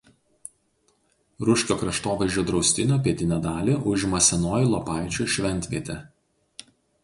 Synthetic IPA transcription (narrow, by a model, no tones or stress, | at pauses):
ɾʊʃʲkʲoːkɾɐʃt̪oːʋɐɪʒʲd͡ʒʲoːd̪ɾɒʊsʲt̪ʲɪnʲoːpʲiɛt̪ʲɪnʲɛd̪ɑːlʲiʔʊʒʲmɐsʲɛnoːjɪlˠɔpɑˑɪt͡ʃʲuːʃʲʋʲɛnʲt̪ʲʋʲiɛt̪ʲɛ